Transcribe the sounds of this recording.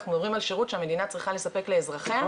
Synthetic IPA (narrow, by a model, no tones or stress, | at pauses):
χnudovʁimalʃeʁutʃeame̞dinat͡sʁiχale̞sape̞kle̞ːzʁaχe